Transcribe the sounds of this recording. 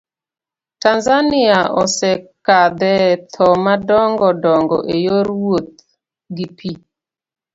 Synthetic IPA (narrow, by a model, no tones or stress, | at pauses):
tanzaniaʔɔsɛkad̪ɛt̪ʰɔmadɔŋɡɔdɔŋɡɔ̰ʔejoɾwot̪̚ | ɡipʰi